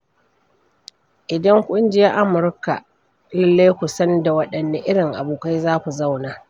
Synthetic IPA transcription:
ʔɪ˨dɐ˦ŋkʷʼʊ˦nd͡ʒɪ˦ja˦ʔa˦mʊ˨ɾka˨ | lɪ˦lːa˦jkʷʊ˨sɐ˦n˦da˨wɐ˦ɗɐ˨nːa˦ʔɪ˦ɽɪ˨ŋʔa̰˨buː˨ka˦jzaː˦kʷu˨za˦˨wnaː˨

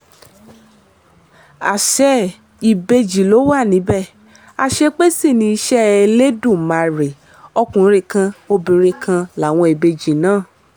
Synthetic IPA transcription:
a˨ʃɛ˧˦ | i˨be˧d͡ʒi˨lo˨˦wa˦˨nĩ˨˦bɛ˦˨ | a˧ʃe˧k͡pe˦si˦˨nĩ˧i˧ʃɛ˦e˧le˦dũ˦˨mã˨˧˨ɾe˨ | ɔ˧kũ˨˦ɾe˦˧˨kã˧o˧bĩ˨ɾe˧kʰã˧la˨˦˨w̃ɔ̃˧i˨be˧d͡ʒi˨nãː˦˨

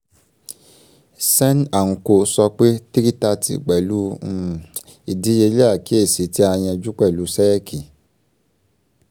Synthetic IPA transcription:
sɛ˦na˨ŋ̩̃˧ko˧˦sɔ˧k͡pe˦ti˦ki˦ta˧tḭ˨k͡pɛ˨lu˦˨ | i˨di˨˦je˧li˦a˦˨ki˨˦e˦˨si˨˦ti˦a˧j̃ɛ̃˧d͡ʒu˦k͡pɛ˦˨lu˨˦sɛ˦ɾɛ˦kʰi˨

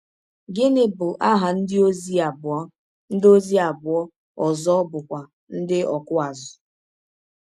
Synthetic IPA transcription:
ɡɪ˦nɪ˦bʊ˨ʔa˦ɦa˨n̩˦dɪ˦o˦zi˦a˨bɔ˦ | n̩˦do˦zi˦a˨bʊ˨ɔ˦ | ɔ˨zɔ˦ɔ˦bʊ˨kʷa˨ | n̩˦dɪ˦ʔɔ˨kʊ˦a˨zʊ̥˨

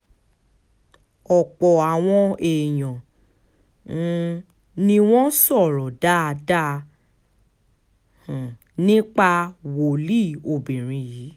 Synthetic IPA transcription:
ɔ˨k͡pɔ˨a˨w̃ɔ̃˧e˨jɔ̃˨˦ | nĩ˧w̃ɔ̃˦sɔ˦˨ɾɔ˨da˦a˧da˦˧˨ | nĩ˦k͡pa˧wo˨li˦˨o˨bĩ˨ɾ̃ĩ˧ji˨˦

